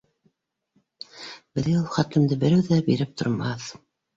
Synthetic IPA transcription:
bɘ̆ðulˠχɑt̪lɘ̆md̪ɘbɘ̆ɾɘwðæbiɾɘp̚t̪ʰŏ̰ɾmɑθ

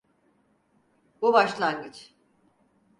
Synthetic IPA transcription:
bubaʃlˠaŋɡɯt͡ʃ

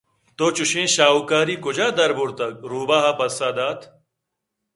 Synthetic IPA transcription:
t̪oːt͡ɕuɕẽːɕaːukaːɾiːkʊd͡ʑaːd̪ɐɾbuɾt̪ɐk̚ɾuːbaːɦaːpɐsaːd̪aːt̪ʰ

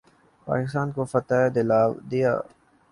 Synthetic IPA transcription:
pa̰ːkɪst̪aːnkofɐt̪aːd̪ɪlaːʋd̪ija̰ː

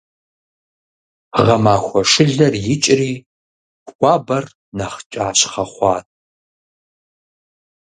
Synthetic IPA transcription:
ʁɐmaːxʷɔʂɨɮɐrjɪt͡ʃʼriː | kʷɑːbɐr | nɐχt͡ʃʼaːɕχɐχʷɑːtʼ

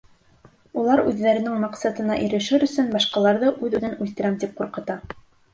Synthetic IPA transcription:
ulˠɑɾʉðːæɾɘ̆nɘŋmɑqsɑt̪ɤ̆nɑʔĭɾɘ̆ʃɘɾɵ̆sɵnbɑʃqɑlˠɑɾðɤʔʉðʉðɘnʉlt̪ɘ̆ɾæmt̪ip̚quɾqɤ̆t̪ɑ

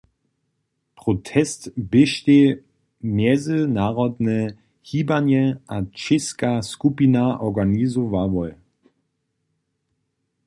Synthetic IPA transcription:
pʁ̥otʰɛstbɪʃte | mjɛzənaːʁɔdnə | hiːbanjɛʔat͡ʃɪskaskupinaʔɔɡanizɔvavɔl

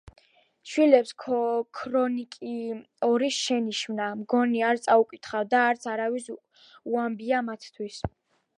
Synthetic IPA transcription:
ʃwilɛpskʰkʰɾɔnikʼi | ɔɾisʃɛniʃmnamɡɔniaɾt̪sʼaukʼit̪ʰχavd̪aːɾt̪sʰaɾavis | uambiamat̪ʰt̪ʰwis

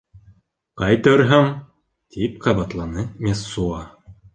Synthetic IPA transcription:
qɑjt̪ɤɾɦɤɴ | t̪ʰipqɑβɑt̪lˠɑnɤmʲesːuɑ

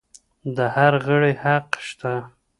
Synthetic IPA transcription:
d̪əhaɾɣəɽehaqʃt̪a

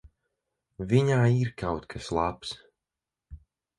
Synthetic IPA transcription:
viɲaːiɾkʰawt̪kʰaslˠaps

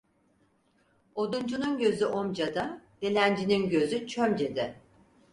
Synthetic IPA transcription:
o̞d̪und͡ʒununɟø̞zyʔo̞md͡ʒad̪ad̪̥elʲænd͡ʒininɟø̞zyt͡ʃʰømd͡ʒed̪ɛ

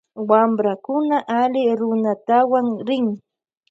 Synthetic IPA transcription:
wambɾakʊnaʔalɪɾʊnat̪awaŋɾɪŋ

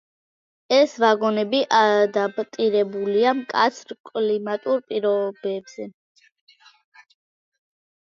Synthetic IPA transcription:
ɛsvaɡɔnɛbiʔad̪abt̪ʼiɾɛbuliamkʼa̰t̪sʰɾkʼlimat̪ʼuɾpʼiɾɔbɛbz̥ɛ

